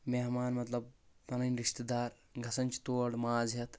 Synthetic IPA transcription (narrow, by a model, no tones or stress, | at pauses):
meːɦmaːnmɐt̪lɐb̚ː | ɐnɐnʲɾiʃt̪ed̪aːɾ | ɡʱɐsɐnʲt͡ʃt̪oːɖmaːzjɐt̪